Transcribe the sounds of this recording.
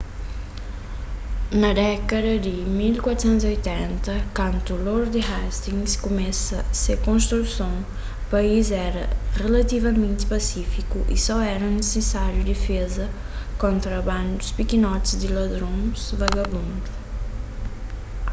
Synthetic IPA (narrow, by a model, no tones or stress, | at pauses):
nɐd̪ɛkɐd̪ɐd̪ɪmilkwat̪ʊ̥sẽnt̪ziojt̪ɛ̃nt̪ɐkɐ̃nt̪uloɾd̪ɪhast̪ĩŋskomɛsɐsekõnst̪ɾusõw̃ | paizɛɾɐ̰ʁelɐt̪ivɐmẽnt̪ɪ̥pasifikʊʔḭsɔɛɾɐ̃nesesaɾjʊd̪efezɐ | kõnt̪ɾɐbɐ̃nd̪ʊspikinɔt̪ɪzd̪ɪlad̪ɾõzvaɡabũnd̪u